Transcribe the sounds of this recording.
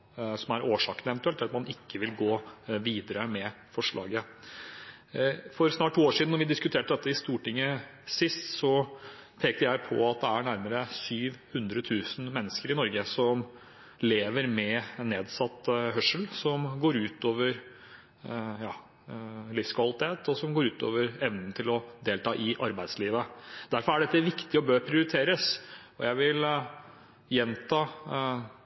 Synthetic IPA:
sɔmæɾʔoːʂɑːkənəɛʋɛnt̪ʉɛlt̪ːɾɑt̪mɑnɪkːəʋɪlɡoːʋiːd̪əɾəmɛ | fɔʂɭɑ̰ːɡə | fɔɾsnɑːʈ̚ʈʰːuːoːʂid̪nːɔʋɪd̪ɪskʉt̪ʰeːʈəd̪ɛt̪ːəɪst̪uːʈɪŋːəsɪst̪sɔ | pʰeːk̚t̪əɾjæɪpʰɔ̰ɑt̪̚d̪ɛæɳæɾməɾəsyːʋhʉnd̪ɾət̪ʰʉːsn̩mɛnːəskəɾɪnɔɾɡəsɔm | leːʋəɾmɛnːeːd̪sɑt̪ːɦœʂəlsɔmɡoːɾʉːt̪oːʋəɾ | jɑː | lɪskʰʋɑlɪt̪ʰeːt̪ɔsɔmɡoːɾʉːt̪o̰ːʋəɾɛʋnənt̪ʰɪlɔd̪eːlt̪ʰɑːʔɪʔɑɾbæɪd̪sliːʋəd̪̥æɾfɔɾæɖɛt̪ːəʋɪkt̪ɪɔbøːɾpʰɾɪʊɾɪt̪ʰeːɾəs | ɔjæɪʋɪl | jɛnt̪ʰɑː

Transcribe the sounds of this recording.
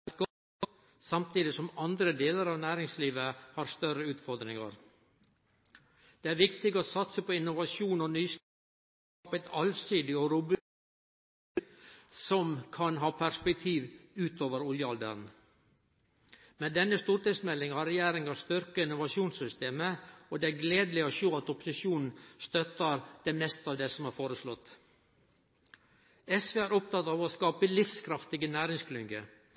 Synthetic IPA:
t̪ɡ | sɑmt̪ʰiːd̪ɪsɔmɑnd̪ɾəd̪eːləɾɑːʋnæːɾɪŋsliːʋəhɑɾst̪œɾəʉːt̪fɔɾd̪ɾɪŋɑ̰ɾ | d̪̥ɛæːɾʋɪkt̪ɪɡoːsɑt̪səpʰɔɪnːʊʋɑʃuːnɔnyːs | pɛt̪ʰɑlsiːd̪ɪoɾʊb | sɔmkʰɑnɦɑːpʰæɾspɛk̚t̪ʰiːʋʉːt̪ʰoːʋəɾʊljəɑld̪ə̰ɾn | mɛd̪ɛnːəst̪uːɾʈ̪ɪsmɛlːɪŋhɑɾɛjæːɾɪŋɑst̪ʏɾkəɪnʊʋɑʂjuːnssʏst̪eːməod̪ɛæɡleːd̪lɪoʃoːɑt̪ɔpʊ̥sɪʃuːnn̩st̪œt̪əɾd̪̥ɛmɛst̪ɑːʋd̪ɛsɔmæːɾfoːɾəslɔt̪ː | ɛsʋeːæːɾʊp̚t̪ɑt̪ɑːʋoskɑːpəlɪfskʰɾɑft̪ɪɡənæːɾɪŋskʰlʏŋɡə

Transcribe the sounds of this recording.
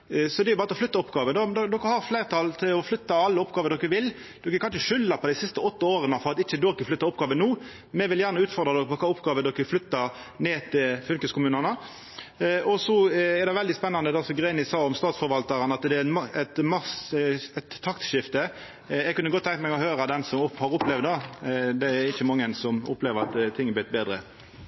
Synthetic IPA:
sɔd̪ɛɪjʊbɑːʁət̪ʰɔflʏt̪ːɑʊpɡɑːʋənd̪ɔd̪ɔd̪ɔkːəhɑʁfleɪʁt̪ʰɑlt̪ʰɪlɔflʏt̪ːɑɑlːəɔpɡɑːʋəd̪ɔkːəʋɪl | d̪̥ɔkːəkʰɑnʃəʃʏlːəpʰɔd̪ɪsɪst̪əɔt̪ːəoːʁənəfɔɾɑt̪ɪçːəd̪ɔkːəflʏt̪ːəɾʊpːɡɑːʋənuː | mɛʋɪljæːʁnəʉːt̪fɔʁd̪ʁɑd̪ɔkːəpʰɔkʰɑːʊpːɡɑːʋəd̪ɔkːəflʏt̪ːəɾ | neːt̪ʰɪlfʉlkəskʰʊmʉːnənə | ʔɔsɔɛʁd̪ɛʋɛld̪ɪspɛnːɑnd̪əd̪ɛɑsɔɡʁenɪsɑːɔmst̪ɑːt̪sfɔɾʋɑlt̪ɑʁənɑt̪d̪ɛænmɛt̪mɑsɛt̪ʰːɑkt̪ʃɪft̪ə | jɛɡkʉnːəɡɔt̪ːʰɛŋkt̪mɛɡɔhøːɾəd̪ɛnsɔmʊhɑɾʊplɛʋd̪d̪ɑd̪ɛɾɪçːəmɑŋːənsɔmʊ̰pleːʋəɾɑt̪t̪ʰːɪŋːb̪ɪt̪beːd̪ɾə̰

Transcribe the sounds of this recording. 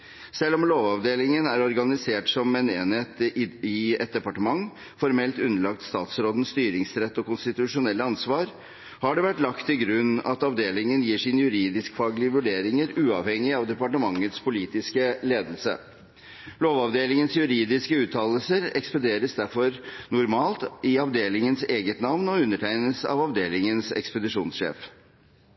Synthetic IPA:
sɛlːɔmloːʋɑʋd̪eːlɪŋənæɾɔɾɡɑnɪseːʈsɔmɛneːnheːt̪ɪɛt̪̚d̪ɛpɑʈəmɑŋ | fɔɾmɛlt̪ʉnːəɭɑk̚t̪st̪ɑ̰ːt̪sɾoːd̪n̩st̪yːɾɪŋsɾɛt̪ːɔkʊnst̪ɪt̪ʉʂʊnɛlːəɑnsʋɑːɾ | hɑɖɛʋæʈːlɑkt̪ʰːɪɡɾʉnːɑ̰t̪ɑʋd̪eːlɪŋənjiːʂɪnəjʉɾiːd̪ɪskfɑːɡlɪəʋʉɖeːɾɪŋəɾʉːɑ̰ʋhɛŋɪɑʋd̪ɛpɑʈəmɑŋːət̪spʰʊliːt̪ɪskəleːd̪əlsə̰ | loːʋɑʋd̪eːlɪŋənsjʉɾiːd̪ɪskəʉːt̪ʰɑːləl̩səɾɛkspɑnd̪eːɾəsd̪æɾfɔɾnʊɾmɑːlt̪ɪɑʋd̪eːlɪŋənseːɡət̪nɑʋnɔʉnːəʈʰæɪnəsɑ̰ʋɑʋd̪eːlɪŋənsɛ̰kspəd̪ɪʂuːnsʂḛːf

